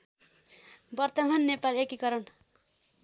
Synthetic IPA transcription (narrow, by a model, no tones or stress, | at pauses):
bʌrt̪ʌmanːepalekikʌɾʌn